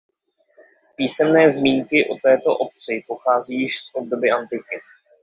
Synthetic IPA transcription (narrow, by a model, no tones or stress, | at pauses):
piːsɛmnɛːzmiːŋkɪʔo̞t̪ɛːt̪o̞ʔo̞p̚t͡sɪpo̞xaːziːjɪʃsʔo̞b̚do̞bɪʔant̪ɪkɪ